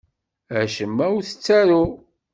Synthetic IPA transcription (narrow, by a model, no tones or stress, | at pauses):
æʃəmːæwθə̥t͡sːæɾʊ